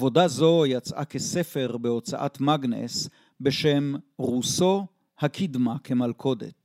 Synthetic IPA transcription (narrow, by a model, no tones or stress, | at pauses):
vo̞dazo̞jat͡sʔa̰kese̞fe̞ʁbeo̞t͡saʔa̰tmaɡnḛs | be̞ʃemʁuso̞ | hakʰidmakʰe̞malkʰo̞de̞̰t